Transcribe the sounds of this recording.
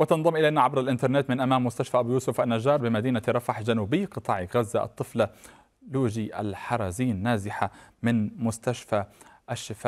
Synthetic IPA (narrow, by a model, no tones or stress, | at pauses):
wɪt̪ɑnðˤɑmʔɪlajnaʕabɾˤɑlʔɪnt̪ɑɾˤneːt̪mɪnʔamaːmːʊst̪aʃfaːʔabuːjuːsʊfʔanːaʒɑːɾˤbɪmad̪iːnaɾˤɑfaħd͡ʒanuːbɪːqɨt̪ˤɑːʕiɣazːaʔɑ̰t̪ˤːɨfla | luːd͡ʒiʔa̰lħɑɾˤɑːziːnːaːzɪħamɪnmʊst̪aʃfa | ʔaʃːɪfaː